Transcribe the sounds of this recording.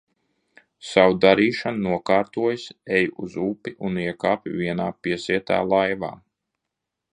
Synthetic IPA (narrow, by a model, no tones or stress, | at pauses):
sawd̪aɾiːʃannuɔkaːɾt̪uɔjsɛjuzuːpiʔuniɛkaːpʲiviɛnaːpiɛsiɛt̪a̰ːlˠajva̰ː